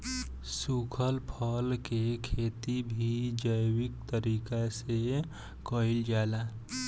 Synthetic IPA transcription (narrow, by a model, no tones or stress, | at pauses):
sukʰəlpʰəlkekʰet̪ibʱid͡ʒəjwik̚t̪əɾiːkase | kəild͡ʒaːla